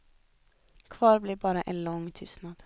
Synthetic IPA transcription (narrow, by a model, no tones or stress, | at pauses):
kʰʋɑːɾbliːbɑːɾəʔeːnlɔŋt̪ʰʏsnɑd̪̥